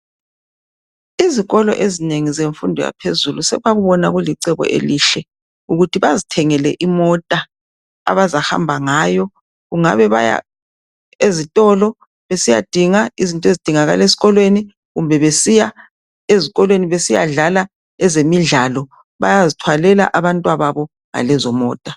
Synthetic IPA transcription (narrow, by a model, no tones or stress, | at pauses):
iziɣɔlɔ̰ʔezineŋizeɱfundʱɔja̰pʰezulusɛ̰waɣuβɔnaɣuliǀɛβɔ̰ʔḛliɬɛ | uɣutʰiβazitʰɛŋɛlɛ̰ʔimɔtʼa | a̰βazaha̰mbʱaŋaːjɔ | ɣuŋa̰βɛβa̰ja̰ | ezitʼɔlɔ | βesija̰d̥ʱiŋaizintʼɔezid̥ʱiŋaɣa̰lesi̥ɣɔlweni | ɣumbʱɛβesija | eziɣɔlweniβesija̰ɮala | ɛzemiɮalɔ | βa̰jazitʰwalɛla̰ʔaβantʼwaβaβɔ | ŋa̰lɛzɔmɔːtʼa